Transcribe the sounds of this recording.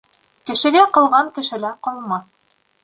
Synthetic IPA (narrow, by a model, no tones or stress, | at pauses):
kɘ̆ʃɘ̆ɡæqɤ̆lˠʁɑŋkɘ̆ʃɘ̆læqŏlˠmɑθ